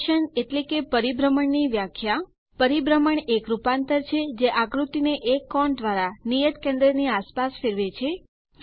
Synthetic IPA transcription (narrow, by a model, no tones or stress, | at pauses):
ʃəneʈlekepəɾibɾəməɳniʋjakʰja | pəɾibɾəməɳekɾupant̪əɾt͡ʃʰed͡ʒeʔaɡɾut̪ineʔekːɔɳd̪ʋaɾanijət̪kẽnd̪ɾəniaspasfeɾʋet͡ʃʰe